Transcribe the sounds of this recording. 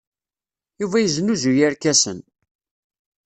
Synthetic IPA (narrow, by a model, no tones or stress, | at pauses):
juvæjəznuzujæɾkæsə̰n